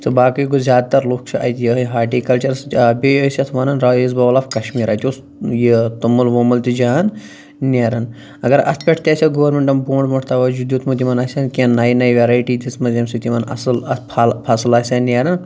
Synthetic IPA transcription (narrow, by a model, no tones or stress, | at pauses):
t̪ɨbaːkijkozʲjaːd̪̚t̪ɐɾloːkʰt͡ʃʰuʔɐ̰jt̪jɐɦɐɦaːʈiːkɐlt͡ʃɐɾsbʲejosʲɐt̪ʰʋɐnɐnɾaizbɐʋlɐːfkɐʃmiːɾaːt̪ʲos | jit̪ɐmːɐlʋoːmɐlt̪id͡ʒaːn | nʲeːɾɐn | ɐɡɐɾɐ̰spʲeʈʰt̪ʲɐːsʲɐɡoʋɐɾmeɳʈɐmboːɳɖmɐʈʰt̪ɐʋɐd͡ʒud̪ʲjoːt̪ʰmut̪ʲimɐnaːsʲaːnkʲenːaːjnaːjʋʲeɾaːjʈiːd̪ismɐzʲjɐmsit̪imɐnɐ̰slɐpʰalpʰasɨlaːsʲaːnːeːɾɐn